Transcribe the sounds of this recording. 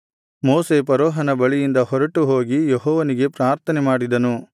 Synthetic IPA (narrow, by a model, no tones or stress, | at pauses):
moːsepɐɾɔːɦɐnɐbɐɭijind̪ɐhɔɾɐʈuɦoːɡijeɦɔːʋɐniɡe̞pɾaːɾt̪ʰɐnemaːɽid̪ɐnu